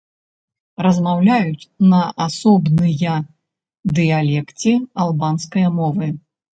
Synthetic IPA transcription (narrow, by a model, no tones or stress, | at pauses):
ɾɐzmawlʲajut͡sʲnɐʔasɔbnɨjɐ | d̪ɨjalʲɛkt͡sʲialˠbanskɐjɐmɔvɨ